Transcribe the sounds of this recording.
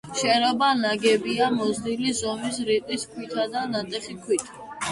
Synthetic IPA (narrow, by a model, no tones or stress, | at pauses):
ʃɛɾɔbanaɡɛbiamɔzd̪ilizɔmisɾiq̪ʼiskʰwit̪ʰad̪anat̪ʼɛχikʰwit̪ʰḁ